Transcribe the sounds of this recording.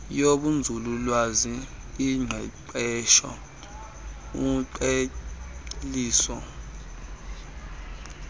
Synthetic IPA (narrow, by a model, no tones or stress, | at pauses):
joɓund͡zʱululwaziː | ŋ͡ǀʱɛǃɛʃɔ̰ | uǃe | liːsɔ